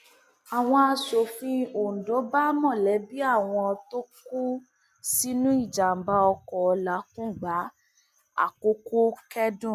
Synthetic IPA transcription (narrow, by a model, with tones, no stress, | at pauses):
a˨w̃ɔ̃˧a˧so˨fĩ˧o˨n̩˨do˨˦ba˦mɔ̃˦˨lɛ˨˦bi˦a˦˨w̃ɔ̃˧ɔ˧to˦ku˦ | si˦nũ˦i˦˨d͡ʒa˨m̩˨ba˧˦ɔ˧kɔ˨ɔ˧la˨˦kũ˦˨ɡ͡ba˨˦ | a̰˦˨ko˧˦ko˦kɛ˦dũ˦˨